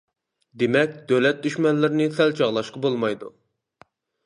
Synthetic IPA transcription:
d̪emɛk̚ʲd̪̥ølɛt̪̚d̪yʃmɛnlɪɾɪnɪsɛlt͡ʃʰɑʁlˠɑʃqɑbolˠmɑjd̪ṵ

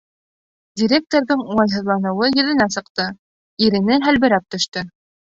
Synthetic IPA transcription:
dʲiɾʲek̚t̪oɾðɤɴulˠɑjɦɤ̆ðlˠɑnɤ̆wɤjɵ̆ðɘ̆næsɤ̆qt̪ɤ | iɾɘ̆nɘɦælβɘ̆ɾæp̚t̪ɵ̆ʃt̪ɵ

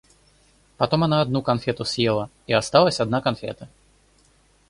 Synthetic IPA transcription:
pɐt̪o̞mɐnaɐd̪nukɐnfʲet̪ʊsjelˠə | iɐst̪ɑlˠəsʲɐd̪nakɐnfʲḛt̪ə

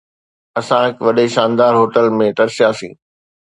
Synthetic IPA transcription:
ɐsãɦɪkʋɐɗeʃãːnd̪aːɾɦoːʈəlmẽʈɐɾsjaːsḭ̃ː

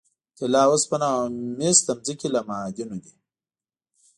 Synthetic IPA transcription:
t̪elaːwospɐnamest̪ɐmzikilamaːd̪inod̪i

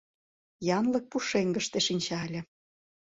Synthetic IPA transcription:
jɑnlɤ̆k̚puʃeŋɡə̆ʃt̪eʃinʲt͡ɕɑlʲĕ

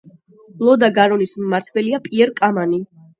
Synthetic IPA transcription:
lˠɔd̪aɡaɾɔnismːaɾt̪ʰvɛliapʼiɛɾkʼamani

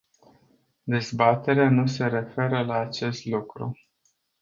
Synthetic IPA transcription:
d̪e̞zbat̪e̞ɾeanuse̞ɾe̞fe̞ɾəlaːt͡ʃe̞st̪lukɾṵ

